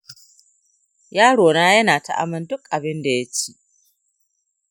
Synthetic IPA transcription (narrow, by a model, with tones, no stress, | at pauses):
jaː˦ɽoː˨naː˦jɐ˦naː˨ta˦ʔa̰˦mɐ˦ndʊ˦kʔa˨bɪ˦nda˨ja˦t͡ʃi̥˦ʔ